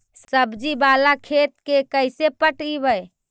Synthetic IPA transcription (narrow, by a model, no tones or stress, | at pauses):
səbd͡ʒibalakʰet̪̚kekəjsepəʈibəj